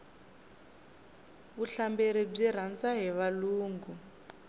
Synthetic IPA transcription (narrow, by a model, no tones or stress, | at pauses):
βuɬambeɾib͡ʐiɾ̤and͡zaɦiβaluːŋɡu